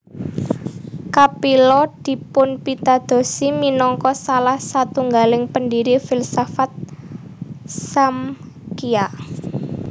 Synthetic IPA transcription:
kapilɔd̪̥i̤pʊnpit̪ad̪̥o̤siminɔŋkɔsalahsat̪uŋɡalɪŋpəndiɾifilsafat̪̚ | sam | kia

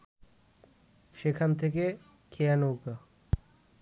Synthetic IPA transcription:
ʃekʰant̪ʰeke | kʰeanowka

